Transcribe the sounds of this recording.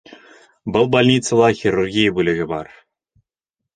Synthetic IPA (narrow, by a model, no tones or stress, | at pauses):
bɤ̆lˠbɑlʲnʲit̪sɤ̆lˠɑxʲirurɡʲijəbulʲɘ̆ɡʲɘ̆bɑ̰r